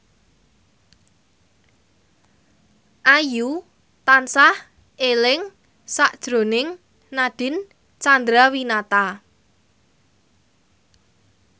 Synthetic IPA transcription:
ʔaju | t̪ansah | elɪŋ | saʔd̥ʒ̥ɾo̤nɪŋ | naɖ̥ɪ̤n | t͡ʃand̪ɾawinat̪a

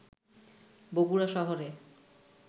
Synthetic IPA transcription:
boɡuɾaʃɔɦoɾe

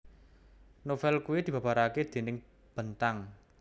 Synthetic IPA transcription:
nofɛlkuwid̪̥i̤ba̤paɾaked̪̥e̤nɪŋ | b̥ənt̪aŋ

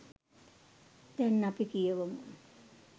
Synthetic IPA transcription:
d̪ɛnːapikijeʋəmun

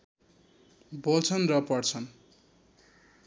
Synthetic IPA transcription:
bolt͡sʰʌnrʌpʌrt͡sʰʌn

